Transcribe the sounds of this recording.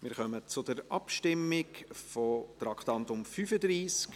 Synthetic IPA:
mɪːɾχœmət͡sʊd̥əɾʔɑpʃtɪmːɪkfɔt̪ɾɑkʰt̪ɑnt̪ʊmfyfəd̪ɾiːsk

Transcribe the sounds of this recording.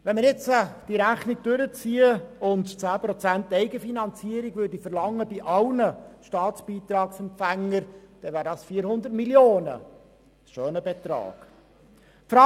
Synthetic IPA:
ʋɛnməɾjɪt͡səd̥iɾæχniɡ̚d̥øɾət͡siːəʊntt͡sæːpɾɔt͡sæntːɛɪɡəfinɑnt͡siːəɾiɡvɵɾdifərlɑŋːəbiʔɑlnəʃtɑːt͡sb̥iːt̪ɾɑːksɛmpfæŋːəɾd̥ɛvæːɾdɑːsfiːɾhʊnd̪ətmiljoːnə̰ | ʃøːnəbet̪ɾɑ̰ːɡ̥ | fɾɑ

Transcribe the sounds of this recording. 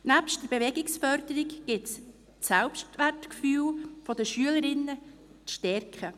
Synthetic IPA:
næpʃtd̥əɾb̥eʋɛɡɪksfœɾd̥əɾɪkɡ̥ɪts | sælpʃtʋærtkfyːlfɔdəʃyələɾɪnːə | t͡sʃtɛɾkχə

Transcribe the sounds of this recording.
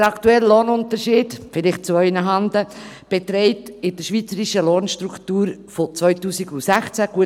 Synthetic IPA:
ɾɑktuɛləloːnʊntəɾʃiːdfɪlɪχt̚t͡suœʏnəɦɑndə | b̥etɾɛɪtɪd̥əʃʋiːt͡səɾiʃəloːnʃtɾuktuːɾfot͡svœʏtuːsiɡusæχt͡sæɡ̥uə

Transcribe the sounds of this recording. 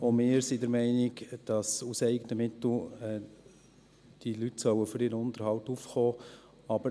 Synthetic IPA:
omɪːɾsidɛɾmɛɪnɪɡd̥ɑsusɛɪɡətəmɪtl̩ɛ | d̥ilytsœwəfʏɾɪːɾəʊntəɾhɑltufχɔː | ɑbə

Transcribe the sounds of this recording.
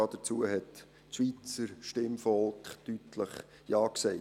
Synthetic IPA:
ɑːd̥ət͡suːəɦɛt | ʃʋit͡səɾʃtɪmfɔlˠkχtytləχ | jɑːksɛɪ

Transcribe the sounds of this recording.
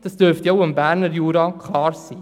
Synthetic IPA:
d̥ɑsd̥øɾftjoʊɪmbæɾnəɾjuːɾɑkʰlɑːrsiː

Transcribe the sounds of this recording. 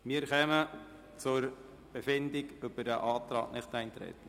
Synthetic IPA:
miːəɾχɛmə | t͡sʊɾ | b̥efɪndɪɡʏb̥ədəʔɑːt̪ɾɑ̰ːknɪχt̪æɪnt̪ɾɛ̰t̪ən̩

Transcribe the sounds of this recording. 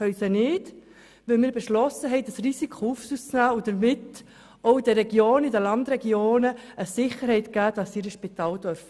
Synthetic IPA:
œʏsənɪːd | ʋɪlmɪːɾbeʃlɔsəɦɛɪd̥ɑsrisikʰχoufsust͡snæːud̥əɾmɪt | oʊd̥əɾɛɡjoːnidəlɑndɾɛɡjoːnəʔəsɪχəɾhɛɪtɡ̥æːd̥ɑsiɾəʃpit̪ɑːld̥œɾf

